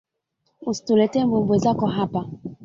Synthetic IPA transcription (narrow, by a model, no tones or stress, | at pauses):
ustulɛtɛmbumbwezakɔɦapa